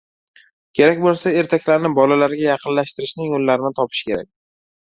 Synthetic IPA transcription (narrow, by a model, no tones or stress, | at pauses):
kʲʰe̞ɾakʲbolˠsae̞ɾt̪ʰakʲlaɾnɪbɒlalaɾɡʲajɑqʰɨnlaʃt̪ɪɾɪʃnɪŋːolːaɾɪnɪt̪ʰɒpʰɪ̥ʃkʲe̞ɾa̰k̚ʲ